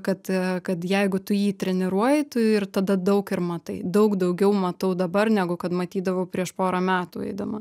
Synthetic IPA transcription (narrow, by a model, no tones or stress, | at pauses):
kɐt̪kɐt̪jɛɪɡʊt̪ʊjiːt̪ʲɾʲɛnʲɪɾuɔjɪt̪ʊɪrt̪ɐd̪ɐd̪ɐʊkɪɾmɐt̪ɐɪd̪ɐʊkd̪ɐʊɡʲɛʊmɐt̪ɐʊd̪ɐbɐrnʲæːɡʊkɐt̪mɐt̪ʲiːd̪ɐʋɐʊpʲɾʲiɛʃpoːɾɐmʲæːt̪uːɛ̰ɪd̪ɐmɐ